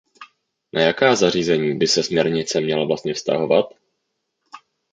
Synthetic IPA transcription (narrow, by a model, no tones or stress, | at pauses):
nʔajakaːzar̝iːzɛɲiːbɪsɛsmɲɛɾɲɪt͡sɛmɲɛlavlast̪̚ɲɛfst̪a̰ɦo̞vat̪